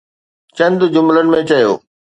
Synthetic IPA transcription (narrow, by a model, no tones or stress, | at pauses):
t͡ɕɐ̃nd̪d͡ʑʊmlənɪ̆mẽt͡ɕɐjo̰ː